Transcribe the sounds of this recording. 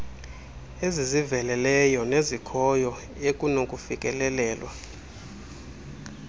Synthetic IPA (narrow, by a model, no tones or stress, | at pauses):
ezizivɛlɛlɛjɔnezikʰɔjɔ | ekʼunokʼufikʼɛlɛlɛːlwa